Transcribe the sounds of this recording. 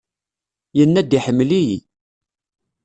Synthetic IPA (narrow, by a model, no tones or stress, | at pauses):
jənːæd̪iħəmːlijḭ